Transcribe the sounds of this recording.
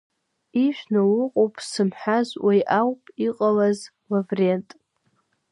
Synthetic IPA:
iʒʷᶣnawʊqʼowpʼsɨmħazwajʔawpʼiqʼalaz | lavrentʼ

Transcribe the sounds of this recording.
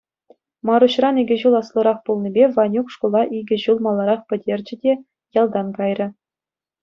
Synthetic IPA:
mɑɾuɕrɑniɡʲɘ̆ʑulˠɑslˠɤ̆ɾɑχpulˠnʲibʲeʋɑnʲukʂkulˠɑʔiɡʲɘ̆ʑulˠmɑlˠːɑɾɑχpʲɘ̆dʲerʲd͡ʑɘ̆dʲe | jɑlˠd̪ɑnkɑjrʲɘ̆

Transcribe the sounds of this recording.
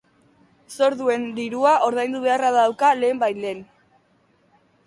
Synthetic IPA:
so̞ɾðue̞nd̪iɾuaʔo̞ɾðajnd̪uβ̞e̞araðawkale̞ːmbajleːn

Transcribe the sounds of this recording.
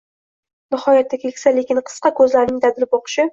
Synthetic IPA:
nɪhɒjat̪ʰːakʲʰekʲsalekʲɪnqʰɨ̥sqɑkʰɵzlaɾnɪŋd̪ad̪ɪlɪpoqʰɨ̥ʃɪ

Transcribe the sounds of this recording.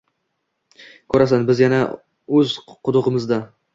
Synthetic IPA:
kʰɵɾasanbɪzjana | ɵzqʰʊd̪ʊʁɨmɪzd̪a

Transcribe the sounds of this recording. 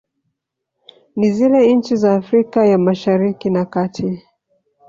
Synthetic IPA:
nizilɛɲ̩t͡ʃizaːfɾikajamaʃaɾikinakatʰi

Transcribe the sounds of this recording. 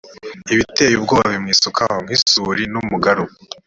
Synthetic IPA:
iβite̞ːjub̚ɡoːβaβimŋiːsukʰahoŋ̥hisuɾinumuɡaɾu

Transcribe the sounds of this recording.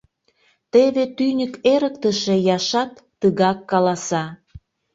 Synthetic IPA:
t̪eβet̪ynʲəkeɾək̚t̪əʃĕjɑʃɑt̪ːəɣɑkːɑlɑsɑ

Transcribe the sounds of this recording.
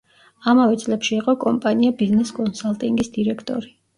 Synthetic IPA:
amavɛt̪sʼlɛpʃiːqʼɔkʼɔmpʼaniabiznɛskʼɔnsalˠt̪ʼiŋɡisd̪iɾɛkʰt̪ʼɔ̰ɾi

